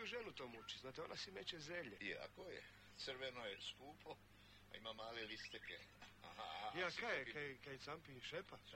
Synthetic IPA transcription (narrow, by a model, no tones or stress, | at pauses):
uʒenut̪omut͡ʃiznaːt̪eonasimet͡ʃezemʎejɛ̰a̰kojḛ | t̪srʋenojeskuːpʰo | a̰imamaːlelist̪ekeahajakajekaekajesampiʃepa